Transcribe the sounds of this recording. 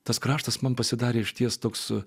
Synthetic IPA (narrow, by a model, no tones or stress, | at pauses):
t̪ɐskɾɑːʃt̪ɐsmɐnpɐsʲɪd̪ɑːɾʲeːɪʃʲt̪ʲiɛst̪oːks